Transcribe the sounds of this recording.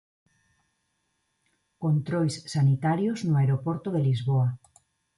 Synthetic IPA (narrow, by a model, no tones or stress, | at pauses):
kont̪ɾojsːanit̪aɾjoznoaeɾopoɾt̪oðelizβoa